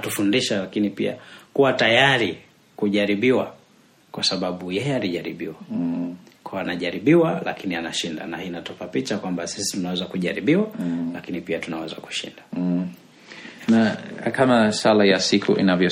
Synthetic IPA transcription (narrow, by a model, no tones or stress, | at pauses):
tufundiʃalakinipia̰kuwatajaɾi | kuʄaɾiɓiwa | kwasaɓaɓujɛjɛaliʄaɾiɓiwa | kawaanaʄaɾiɓiwala̰kinianaʃinda̰nahinatɔpapit͡ʃakwambasisi̥tunawɛzakuʄaɾiɓiwalakinipiatunawɛza̰ku̥ʃḭnda | nakamasalajasikʰṵʔḭnavjɔ